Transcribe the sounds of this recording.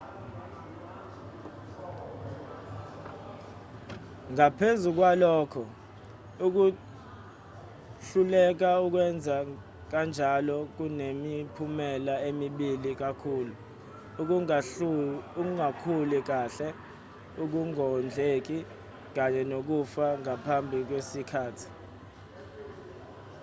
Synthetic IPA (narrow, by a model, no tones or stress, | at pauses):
ŋapʰezuk̬walɔːkʰɔ | uk̬u | ɬulɛk̬auk̬wɛnd͡zʱa | k̬and͡ʒʱalɔk̬unemipʰumɛlaemiɓilik̬akʰuːlu | k̬ | uŋakʰulik̬aɬɛ | uk̬uŋɔnd͡ɮʱek̬i | k̬aɲɛnok̬ufaŋapʰambʱik̬wesikʰaːtʰi̥